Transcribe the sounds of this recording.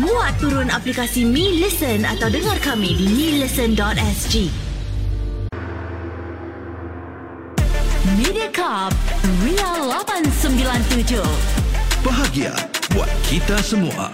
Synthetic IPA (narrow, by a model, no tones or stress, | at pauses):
mũat̪ːuɾʊnaplikasimĩlisəna̰t̪awdəŋarkamĩdimĩləsəndɔt̪ɛsd͡ʒi | midiakap̚wialabansəmbilant̪ud͡ʒo | b̥əɦaɡia̰bwa̰t̪̚kʰit̪asəmua̰